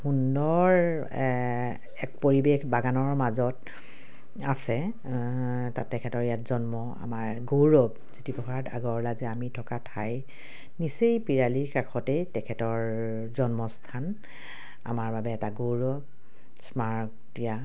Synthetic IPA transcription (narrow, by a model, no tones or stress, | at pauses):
hundɔɹ | ɛk̚poɹibexbaɡanɔɹmazɔt | asɛ | tatɛkʰɛtɔɹjatzɔnmɔ | a̰maɹɡowɹɔb | zutipɔxʰata̰ɡɔɹlazɛamitʰɔkatʰaj | nisejpiɹaliɹkakʰɔtejtɛkʰɛtɔɹ | zɔnmɔstʰan | a̰maɹbabɛːtaɡowɹɔb̚ | smaɹktija